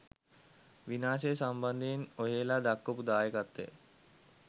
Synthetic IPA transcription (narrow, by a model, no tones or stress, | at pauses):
ʋinaːsesamband̪einoɦeːlaːd̪akːopud̪aːjəkat̪ːḛ